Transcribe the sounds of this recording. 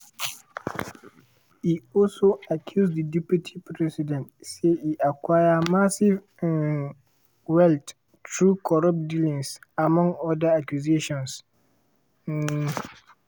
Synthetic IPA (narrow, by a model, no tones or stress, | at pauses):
hiɔlsoakʰjusdədɛpjutʰipɾɛsidɛ̃ntsehiʔakʰwajamasiv | wɛlt | tʰɹukʰɔɹap̚dilĩŋsamɔ̃ŋɔdaakjuzeʃɔ̃ns